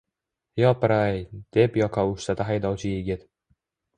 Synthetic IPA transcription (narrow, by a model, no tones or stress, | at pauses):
jɒpɾajd̪̥e̞pjɒqʰɑʊʃt̪at̪ʰaɦajd̪ɒwt͡ʃʰɪjeɡʲɪt̪